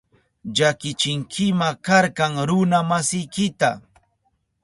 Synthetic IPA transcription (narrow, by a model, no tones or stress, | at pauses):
ʎakɪt͡ʃɪŋkʰɪmakaɾkɑŋɾʊnamasɪjkɪt̪a